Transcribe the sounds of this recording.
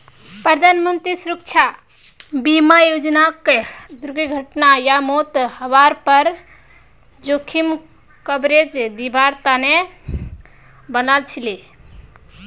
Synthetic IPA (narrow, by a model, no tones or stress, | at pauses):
pɾəd̪ʱanmənt̪ɾisuɾək̚t͡ʃʰa | bimajod͡ʒnaked̪uɾɡiɡʱəʈnajamot̪həβaɾpəɾ | d͡ʒokʰim | kəbɾed͡ʒd̪ibʱaɾt̪ane | bənalt͡ʃʰili